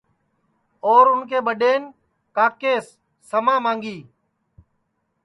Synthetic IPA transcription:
oːɾʊnkʰeːɓəɗeːn | kaːkeːsː | əmãːmãːŋɡiː

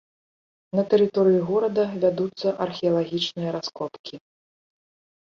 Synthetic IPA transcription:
nɐt̪ɛɾɨt̪ɔɾɨjuɣɔɾɐd̪ɐvʲad̪ut̪sːɐʔɐrxʲɛjɐlˠaɣʲit͡ʂnɨjɐɾaskɔpkʲi

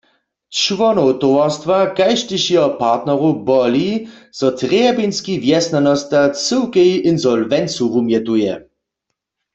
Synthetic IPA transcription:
t͡ʃvɔnɔwt̪owastvakajʃtɪɕiɔpaʁt̪nɛʁubɔliz̥ɔtʁɛbinskivjɛsnanɔst̪at͡səwkɛjʔinzɔlvɛnt͡suvumjɛt̪ujɛ̰

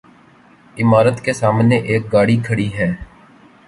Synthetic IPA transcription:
ɪmaːɾət̪kesaːmneʔeːk̚ɡaːɽikʰəɽiɦɛː

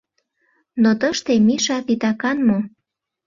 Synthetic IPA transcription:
not̪əʃt̪emiʃɑt̪it̪ɑkɑnmo

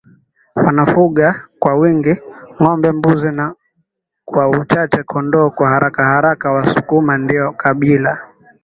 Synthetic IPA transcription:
wanafuɠakwawiŋɡiŋɔmbɛmbuzina | kwaut͡ʃat͡ʃɛkʰɔndɔːkwahaɾakahaɾakawasu̥kumandiɔkaɓila

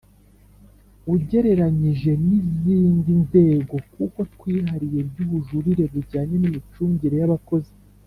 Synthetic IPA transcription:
uɟe̞ɾe̞ɾaɲiʒe̞niziːndinze̞ːɡo̞kuko̞twiːɦaɾije̞bɟuβuʒuɾiɾe̞βuɟaːɲe̞nimit͡ʃuːɲɟiɾe̞jaβako̞zi

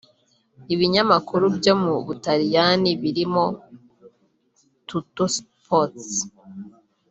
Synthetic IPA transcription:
iβiɲamakuɾubjo̞muβutaɾijaniβiɾimo̞ | tutospʰot

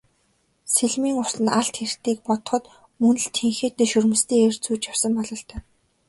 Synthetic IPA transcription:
seɮmiːŋʊsɮɘ̆naɬt̪xer̥t̪iːk̚pɔt̪ɞ̥̆χɞ̆t̪ | mɵnɘ̆ɮt̪ʰeŋxeːt̪ːeːʃɵrmɘ̆st̪iːŋer̥t͡suːt͡ɕjawsə̆mpɔɮɞ̆ɬt̪ʰœː

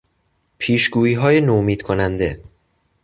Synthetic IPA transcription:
pʰiːʃɡuːiːɦɒːje̞nomiːd̪̥kʰonænd̪e̞

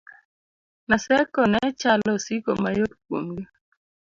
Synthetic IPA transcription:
nasɛkɔnɛt͡ʃalɔsiko̰majot̚kwo̰mɡi

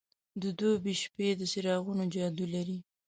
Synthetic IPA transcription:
d̪əd̪ojbiʃped̪əsɪɾɑɣunod͡ʒɑd̪ulaɾi

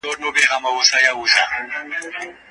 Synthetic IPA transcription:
ɔtʼʊbɛɣamaʊsajauːɬa

